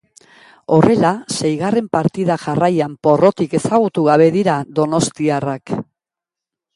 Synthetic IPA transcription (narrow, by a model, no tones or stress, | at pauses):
o̞re̞lase̞jɣare̞mpaɾt̪iðaʝarajampo̞ro̞t̪ike̞saɣ̞ut̪uɣaβe̞ðiɾaðo̞no̞st̪iarak